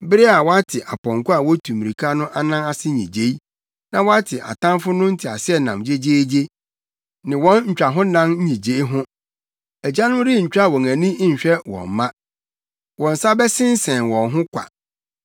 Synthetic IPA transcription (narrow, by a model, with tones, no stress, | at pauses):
bɪ˦ɾɪ˦a˨wɔ˦a˦tʰɪ˨ʔa˨pɔ̃˨ŋ˨kʊ˦a˨wɔ˦tʰũ˨mi˨ɾi˨kʰa˦nʊ̃˦ʔa˦nã˦na˦sɪ˦ɲḭ̃˨d͡ʑe˦i˦ | nã˨wɔ˦a˦tʰɪ˨ʔa̰˨tʰã˦mfʊ˦nʊ̃˦n̩˦tʰɪ˨a˨sɪ˦ɛ˦˨nã̰˨md͡ʑe˦d͡ʑe˦d͡ʑe˦ | nɪ̃˨wɔ̃˦nɲ̩˨t͡ɕᶣɾa˨ɦʊ̃˦nã˦n̩˦ɲĩ˨d͡ʑe˦i˦ɦʊ̃˦ | æ˨d͡ʑa˦nʊ̃˦ɾi˦˨ɲ̩˨t͡ɕᶣɾa˦˨wɔ̃˨ŋæ̃˨nĩ˦ɲ̩˨ɕᶣɛ˦wɔ̰̃˨m˨mã˦ | wɔ̃˨n̩˨sa˦bɛ˦sɪ̃˦n̩˦sɛ̃˨nwɔ̃˨nɦʊ̃˦kʷʰa̰˨